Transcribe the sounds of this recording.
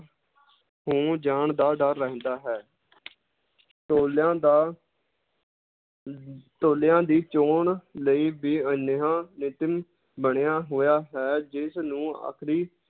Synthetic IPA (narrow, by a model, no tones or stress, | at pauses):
hõːd͡ʒaːɳd̪aːɖaɾːəɦnd̪aːɦɛː | t̪oːlãːd̪aː | t̪oːlejãːd̪iːt͡ʃoːɳləiːbiːənɦãːnɪt̪ɪm | bəɳejaːɦoːjaːɦɛːd͡ʒɪsnũːa̰ːkʰɾiː